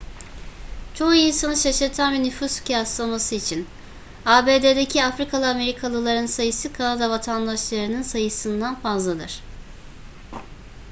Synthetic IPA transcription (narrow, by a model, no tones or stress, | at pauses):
t͡ʃʰo̞uinsanɯʃaʃɯɾt̪ʰanvɛnyfuscʰjasamasɯit͡ʃʰin | aːbe̞ːd̪ed̪ecʰiafɾikʰalˠɯame̞ɾikʰalˠɯlˠaɾɯnsajɯsɯkʰanad̪avat̪ʰand̪aʃlˠaɾɯnɯnsajɯsɯnd̪anfazlˠad̪ɯ̰ɾ̝̥